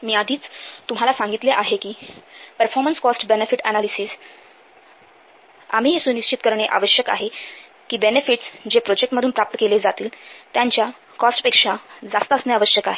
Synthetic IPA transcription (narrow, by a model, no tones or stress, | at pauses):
miːad̪ʱiːt͡st̪um̤alasãŋɡit̪leʔaɦekiːpəɾfɔɾmənskɔsʈbenefiʈænalisiːs | a̰m̤iːɦesuːniɕt͡ɕit̪kəɾɳeʔa̰ʋəɕjəka̰ɦe | kiːbenefiʈsd͡ʑepɾod͡ʑek̚ʈməd̪ʱuːnpɾap̚t̪əkeled͡zat̪iːlt̪jãɲt͡ɕja | kɔsʈpekʂad͡zast̪əsneaʋəɕjəkaɦe